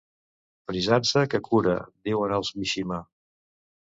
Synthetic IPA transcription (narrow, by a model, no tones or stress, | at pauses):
pɾizansəkəkʰuɾə̰d̪iwənəlˠzmiʃima